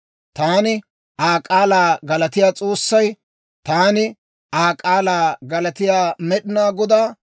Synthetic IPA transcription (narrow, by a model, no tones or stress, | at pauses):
t̪aːnɪ | ʔaːkʼaːlaːɡɐlɐt̪ɪjaːt͡sʼo̞ːsːɐj | t̪aːnɪ | ʔaːkʼaːlaːɡɐlɐt̪ɪjaːmɛɗɪnaːɡɔd̪aː